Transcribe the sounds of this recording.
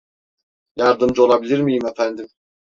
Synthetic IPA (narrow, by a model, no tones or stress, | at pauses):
jɑɾd̪ɯmd͡ʒo̞lˠabilʲiɾmijimefænd̪im